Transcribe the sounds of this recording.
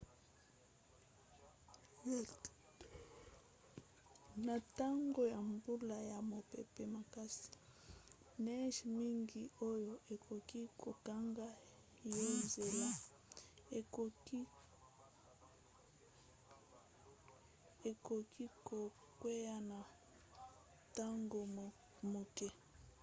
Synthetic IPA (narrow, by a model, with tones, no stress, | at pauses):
na˨ta˦ŋɡo˦ja˨mbu˦la˨ja˨mo˨pe˨pe˨ma˨ka˦si̥˨ | nɛ˦ʃmi˦ŋɡi˨o˦jo˨ʔe˨kʰo˨ki˦ko˨ka˦ŋɡa˦ | jo˦nze˨la˦˨˦ | e˨ko˨kʰi˦ko˨ | kwe˦ja˦na˨ | ta˦ŋɡo˨ | mo˨kɛ˦